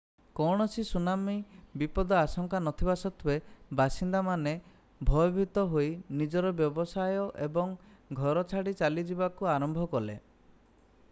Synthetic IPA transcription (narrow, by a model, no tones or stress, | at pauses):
kɔɽ̃ɔsisunamibipɔd̪ɔasɔŋkanɔt̪ʰibasɔt̪ʰibebʱasind̪amane | bʱɔjɔbʱit̪ɔɦojnid͡ʒɔɾɔbjɔbɔsajɔʔebɔŋɡʱɔɾɔt͡ʃʰaɽit͡ʃalid͡ʒibakuaɾɔmbʱɔkɔlḛ